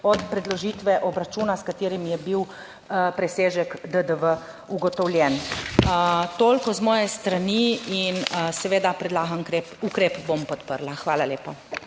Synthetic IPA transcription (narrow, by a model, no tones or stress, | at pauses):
ɔt̪pɾɛd̪lɔʒiːt̪ʋɛʔɔbɾat͡ʃuːnaskat̪eːɾimjɛbiw | pɾɛseːʒɛkd̪əd̪əʋə | uɡɔt̪ɔwlʲjɛn | t̪oːlkɔzmɔːjɛst̪ɾaniinsɛʋeːd̪apɾɛd̪laːɡankɾe | ukɾeːpbompɔt̪pəɾlaxʋaːlaleːpa